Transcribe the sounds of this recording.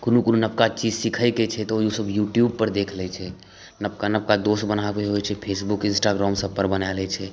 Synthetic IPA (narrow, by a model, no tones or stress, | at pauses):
kunukununəp̚kat͡ʃid͡ʒsikʰəjkɛt͡ʃʰɛt̪ɔoiusəbjuʈjub̚pəɾd̪ekʰlɛt͡ʃʰɛ | nəp̚kanəp̚kad̪osbənabeɦojt͡ʃʰɛpʰesbukɪ̃nsʈaɡɾɔmsəbpəɾbənalɛt͡ʃʰɛ